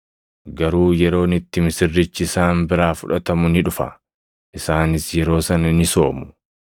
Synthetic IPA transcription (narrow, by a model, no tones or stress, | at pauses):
ɡɐɾuːjɛɾo̞ːnɪt̪ːɪmɪsɪrːɪt͡ʃːɪsaːmbɪɾaːfʊᶑɐt̪ɐmʊnɪᶑʊfɐ̰ | ʔɪsaːnɪsjɛɾo̞ːsɐnɐnɪso̞ːmʊ̥